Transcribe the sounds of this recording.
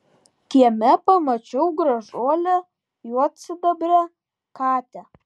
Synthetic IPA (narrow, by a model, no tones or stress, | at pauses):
kʲiɛmʲɛpɐmɐt͡ʃʲɛʊɡɾɐʒoːlʲɛ | juɔt̪sʲɪd̪ɐbʲɾʲɛ | kɑːt̪ʲɛ